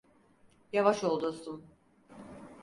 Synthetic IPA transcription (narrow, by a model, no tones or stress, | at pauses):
javaʃo̞lˠd̪usun